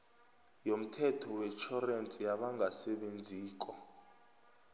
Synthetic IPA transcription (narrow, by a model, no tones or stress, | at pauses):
jom̩tʰɛtʰɔwɛt͡ʃʰɔrent͡sʼijaɓaŋɡʱasɛɓend͡zʱiːk̬ʼɔ